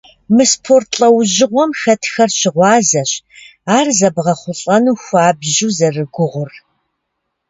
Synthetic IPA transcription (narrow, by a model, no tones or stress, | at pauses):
mɨspʰortʰɬʼɐwʑɪʁʷɔmxɐtʰxɐrɕɪʁʷɑːzɐɕ | aːrzɐbʁɐχʷʊɬʼɐnuːxʷaːbʑuzɐrɨɡʷʊʁʷʊr